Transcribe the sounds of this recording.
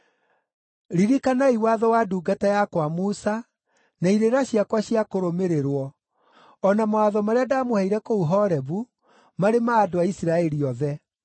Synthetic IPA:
ɾiɾikanaiwaðɔwaduːɡatajakwamusa | naiɾeɾaɕiakwaɕiakoɾomeɾeɾwɔ | ɔnamaaðɔmaɾeadamohaiɾɛkouɦɔɾɛβu | maɾemaːdoaisiɾaɛɾiɔðɛ

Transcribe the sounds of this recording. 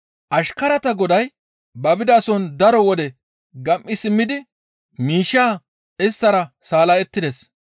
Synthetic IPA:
ʔɐʃkɐɾɐt̪ɐɡɔd̪ɐj | bɐbɪd̪aːsɔnd̪ɐɾɔwɔd̪ɛ | ɡɐmʔːɪsɪmːɪd̪ɪ | miːʃːaː | ʔɪst̪ːɐɾɐ | saːlɐjɛt̪ːɪd̪ɛs

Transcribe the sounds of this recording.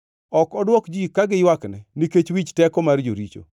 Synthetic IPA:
ɔkɔdwɔkd͡ʒikaɡɪjwaknɛniket͡ʃwit͡ʃtɛkɔmard͡ʒoɾit͡ʃo̰

